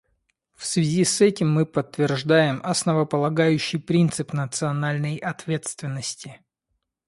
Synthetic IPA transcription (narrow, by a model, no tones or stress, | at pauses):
fsvʲɪzʲisɛtʲɪmːɨpət̪ːvʲɪrʐd̪ajɪmʔɐsnəvəpəlˠɐɡajʉɕːɪjpɾʲint̪sɨpnət̪sɨɐnalʲnəjʔɐt̪vʲe̞t̪st̪vʲɪnːəsʲtʲɪ